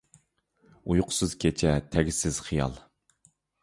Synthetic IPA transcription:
ujqʰʊ̥sɨz̥kʲʰet͡ʃʰɛt̪ʰɛɡʲɪsɪz̥χijɑ̰lˠ

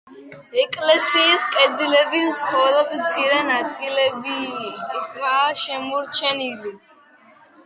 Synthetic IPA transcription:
ɛkʼlɛsiːskʼɛd̪ilɛbimskʼɔlɔd̪mt̪sʰiɾɛnat̪sʼilɛbi | aʃɛmɔɾt͡ʃʰɛnili

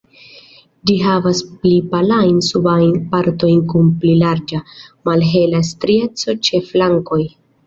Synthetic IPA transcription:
d͡ʒiɦavasplipalajnsubajnpaɾto̞jnkunplilaɾd͡ʒamalɦe̞lastɾie̞t͡so̞t͡ʃe̞flaŋko̞j

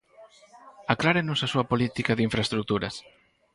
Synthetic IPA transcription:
aklaɾenʊsasuɐpolit̪ikaðiɱfɾest̪ɾuk̚t̪uɾɐs

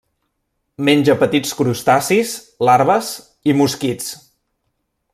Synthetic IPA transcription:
menʲd͡ʒəpət̪it͡skɾust̪asis | laɾβəs | imuskit͡s

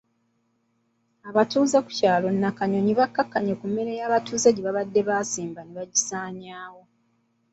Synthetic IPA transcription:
aβatuːzaku̥caːlo̞nːakaɲo̞ɲiβakːakːaɲekumːe̞ɾe̞jaːβatuːzeɟiβaβadːe̞βaːsiːmbaneβaɟisaːɲaːwo̞

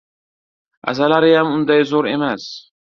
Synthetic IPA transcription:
a̰zalaɾɪjamʊnd̪ajzɒɾe̞mas

